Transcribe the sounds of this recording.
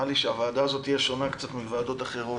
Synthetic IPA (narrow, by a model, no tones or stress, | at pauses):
aliʃeavaːd̪aːzo̞t̪ijeʃo̞nakt͡sat̪mivaːd̪o̞t̪aχeʁo